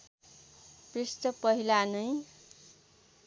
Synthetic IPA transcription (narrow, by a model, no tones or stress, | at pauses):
prist̪ʌpʌɦilanʌj